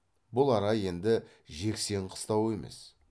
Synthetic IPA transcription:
bʊlˠɑɾɑje̞nd̪ɪ | ʒe̞kse̞ɴqʰə̥st̪ɑwe̞me̞̰s

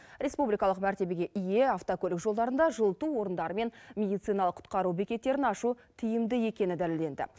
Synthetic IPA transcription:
ɾʲe̞spublijkɑlˠəqmæɾt̪e̞be̞ɡʲe̞ʔɪje̞ɑft̪okʲʰɵlɪkʒo̞lˠd̪ɑɾənd̪ɑʒəlˠt̪uwo̞ɾənd̪ɑɾəme̞nmʲe̞d̪ijt̪sɨjnɑlˠəqʰʊ̥t̪̚qɑɾubekʲe̞t̪ːe̞ɾɪnɑʃu | t̪ʰɪjɪmd̪ɪje̞kʲe̞nɪd̪æleld̪e̞nd̪ɪ̰

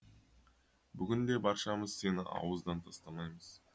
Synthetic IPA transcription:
bʏɡʲɪnd̪e̞bɑɾʃɑməzse̞nɪʔɑ̰wəzd̪ɑnt̪ʰɑst̪ɑmɑjməz̥

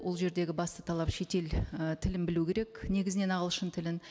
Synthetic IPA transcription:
wo̞lˠʒe̞ɾd̪e̞ɡʲɪbɑst̪ə̥t̪ʰɑlˠɑpʃe̞t̪e̞lt̪ʰɪlɪmbɪlukʲʰe̞ɾe̞kne̞ɡʲɪzɪne̞nɑʁəlˠʃənt̪ʰɪlɪn

